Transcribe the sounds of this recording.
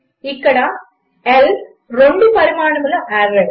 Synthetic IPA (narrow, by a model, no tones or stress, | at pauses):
ɪkːɐɽaː | ɛl | ɾɔɳɖɯpɐɾɯmaːɳɯmɯlɐʔɐɾɐ